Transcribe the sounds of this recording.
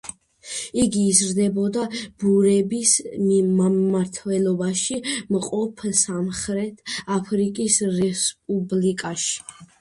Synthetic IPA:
iɡiːzɾd̪ɛbɔd̪ab̥uɾɛbismimamaɾt̪ʰwɛlˠɔbaʃimqʼɔpʰsamχɾɛt̪ʰapʰɾikʼisɾɛspʼublikʼaʃi̥

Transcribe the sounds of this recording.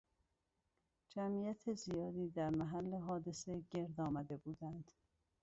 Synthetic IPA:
d͡ʒæmijæt̪ʰezijɒːd̪iːd̪æɾmæɦælːeɦɒːd̪e̞seɟe̞ɾd̪ɒːmæd̪e̞buːd̪ænd̪̥

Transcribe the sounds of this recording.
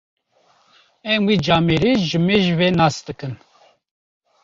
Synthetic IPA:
ɛmwiːd͡ʒaːmeɾiːʒɨmeʒveːnaːsd̪ɨkɨn

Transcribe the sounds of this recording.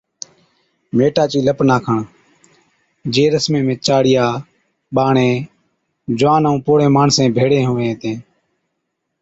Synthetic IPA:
meːʈaːt͡ʃiːləpnaːkʰəɳ | d͡ʒeːɾəsmẽːmẽːt͡ʃaːɽɪjaː | ɓaːɳeː | d͡ʒʊʋaːnũːpoːɽẽːmaːɳsẽːbʱeːɽẽːɦoːʋẽːt̪ẽː

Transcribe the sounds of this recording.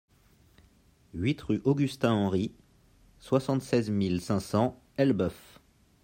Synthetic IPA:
ɥit̪ʁyʔoɡʲyst̪ɛ̃ɑ̃ʁi | swasɑ̃t̪sɛzmilsɛ̃sɑ̃ | ɛlbœf

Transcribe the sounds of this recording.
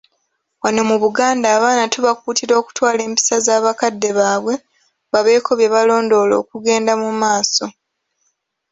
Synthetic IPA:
wano̞muβuɡaːndaːβaːnatuβakuːtiɾo̞ːku̥twaːle̞ːmpi̥sazaːβakadːe̞βaːβwe̞ | βaβe̞ːkʰo̞βje̞βalo̞ːndo̞lo̞̰ːkuɡe̞ːndamumaːso̞

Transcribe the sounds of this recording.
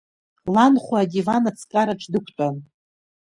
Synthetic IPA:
lanχʷaːdivanat͡sʰkʼaɾaʈ͡ʂʰʼdɨkʷʰtʼan

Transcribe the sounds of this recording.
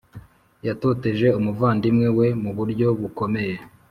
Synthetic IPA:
jato̞te̞ʒe̞umuvaːndimŋe̞we̞muβuɾɟo̞βuko̞me̞je̞

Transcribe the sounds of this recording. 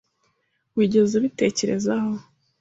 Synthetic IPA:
wiːɟe̞zuβite̞ːce̞ɾe̞̰zaho̞

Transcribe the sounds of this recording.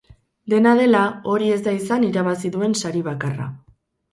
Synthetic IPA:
d̪e̞naðe̞lao̞ɾie̞zd̪aisaniɾaβ̞asiðue̞nsaɾiβ̞akara̰

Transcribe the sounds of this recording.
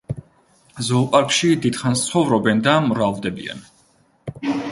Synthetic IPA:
zɔːpʼaɾkʃid̪id̪χanst̪sʰχɔvɾɔbɛnd̪amɾavd̪ɛbḭa̰n

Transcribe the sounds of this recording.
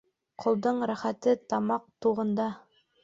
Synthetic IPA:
qʰŏlˠd̪ɤɴɾæχæt̪ɘt̪ɑmɑq̚t̪uʁɤ̆nd̪ɑ

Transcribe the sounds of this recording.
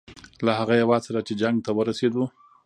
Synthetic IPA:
lahaɣajawɑd̪saɾat͡ʃed͡ʒaŋɡ̚t̪awəɾased̪u

